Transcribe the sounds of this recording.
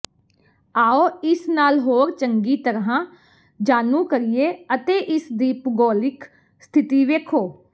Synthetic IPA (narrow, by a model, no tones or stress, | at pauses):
aːoːɪsnaːlɦoːɾt͡ʃəŋɡiːt̪əɾɦãː | d͡ʒaːnũːkəɾijeːət̪eːʔɪsd̪iːpɡɔːlɪk | st̪ʰɪt̪iːʋeːkʰoː